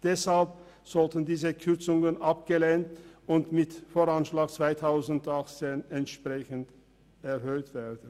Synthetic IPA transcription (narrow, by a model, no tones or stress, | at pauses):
d̥ɛshalp | z̥ɔltəndiːzəkʰʏʁt͡sʊŋənʔap̚ɡ̥əleːntʊntmɪtfoːʁanʃlaːɡ̚t͡sv̥aɪtʰaʊzn̩tʔaχt͡seːnɛntʃpʁ̥ɛçənt | ɛɐhøːtv̥eːɐdn̩